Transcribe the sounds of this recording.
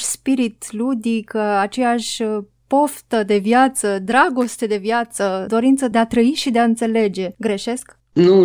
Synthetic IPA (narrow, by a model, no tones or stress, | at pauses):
ʃspiɾit̪lud̪ikat͡ʃejaʃʲ | po̞ft̪əd̪e̞vjat̪səd̪ɾaɡo̞st̪e̞d̪e̞vjat̪səd̪o̞ɾint̪səd̪eat̪ɾəiʃid̪eaɨnt̪se̞le̞d͡ʒe̞ɡɾeʃe̞sk | nu